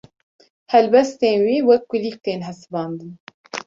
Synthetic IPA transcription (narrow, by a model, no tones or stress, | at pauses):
hɛlbɛst̪eːnwiːwɛkːʊliːk̚t̪eːnɦɛsɨbɑːnd̪ɨn